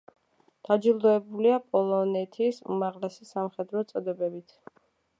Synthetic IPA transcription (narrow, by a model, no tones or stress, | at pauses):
d̪̥ad͡ʒilˠd̪ɔɛbuliapʼɔlˠɔnɛt̪ʰisṵmaʁlɛsisamχɛd̪ɾɔt̪sʼɔd̪ɛbɛbit̪ʰ